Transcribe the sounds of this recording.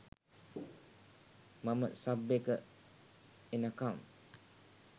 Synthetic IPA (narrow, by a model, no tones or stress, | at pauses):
maməsabːekə | enakam